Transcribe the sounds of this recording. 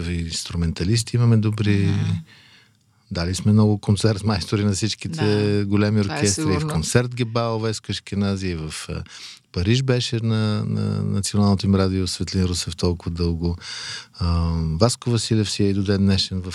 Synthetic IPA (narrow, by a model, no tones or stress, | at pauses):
viinst̪ɾumɛnt̪ɐlis̬t̪iimɐmɛd̪obɾi | d̪alismɛmnɔɡʊkont̪sɛɾt̪majst̪oɾinɐfsit͡ʃkit̪ʰɛɡolʲɛmioɾkʲɛst̪ɾɐifkont̪sɛɾt̪ɡʲɛbavɛskəʃkʲinaziivɐf | pɐɾiʒbɛʃɛnɐnɐ̰nɐt̪sionalˠnot̪imɾad̪iosvɛt̪linɾusɛft̪ɔlˠkʊvɐd̪ɤlˠɡʊ | vaskʊvɐsilʲɛfsiɛid̪ʊd̪ɛd̪nɛʃɛnvɐf